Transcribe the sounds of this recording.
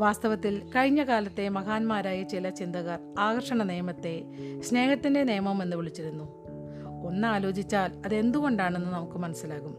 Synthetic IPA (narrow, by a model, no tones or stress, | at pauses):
ʋaːst̪ɐʋɐt̪ːilkɐɻiɲːɐɣaːlɐt̪ːe̞mɐɣaːnmaːɾaːjɐt͡ɕilɐt͡ɕind̪ɐɣɐraːɣɐrʂɐɳɐnejɐmɐt̪ːe̞ | ɕne̞ːhɐt̪ːinde̞nejɐmɐme̞nːuʋiɭit͡ɕːiɾunːu | o̞nːaːlo̞ːd͡ʑit͡ɕːaːlɐðe̞nd̪uɣo̞ɳɖaːɳe̞nːɨnɐmukːɨmɐnɐsːilaːɣum